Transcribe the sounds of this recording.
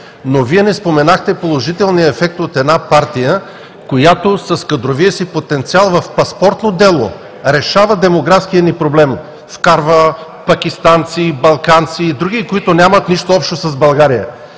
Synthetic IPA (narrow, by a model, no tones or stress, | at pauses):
noviɛnɛspomɛnaxt̪ɛpolˠoʒit̪ɛlˠniəɛfɛk̚t̪ot̪ɛd̪napaɾt̪ijə | kojat̪osɐskɐd̪ɾoviəsipot̪ɛnt̪sialˠvɐfpɐspɔɾt̪nod̪ɛlˠo̰ | ɾɛʃavəd̪ɛmoɡɾafskiənipɾoblɛm | fkaɾvə | pɐkʲist̪ant̪sibɐlˠkant̪siːd̪ɾuɡ̟ikoit̪onʲamət̪niʃt̪oɔpʃt̪osɐzbɐlˠɡaɾijə̰